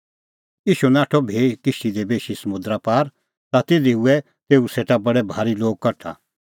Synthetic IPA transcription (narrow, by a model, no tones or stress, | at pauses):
iːʃunaːʈʰɔbʱeːkɪʃid̪ebeːʃisɐmʊ̃d̪ɾapaːɾ | t̪at̪eːd̪iuɛ | t̪eːuseːʈabɐɽɛbʱaːɾiloːɡ̚kɐɾʈʰa̰